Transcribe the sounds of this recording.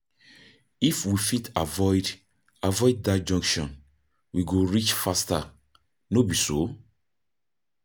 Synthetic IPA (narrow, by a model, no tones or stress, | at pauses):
ifwifitʰavɔɪd | avɔɪd̚ːad͡ʒɔ̃ŋkʃɔ̃n | wiɡoɹit͡ʃfasta | nobiso